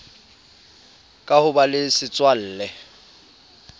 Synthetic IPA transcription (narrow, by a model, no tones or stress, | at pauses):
kʼahʊbalɪsɪt͡sʼwal̩ːlɛ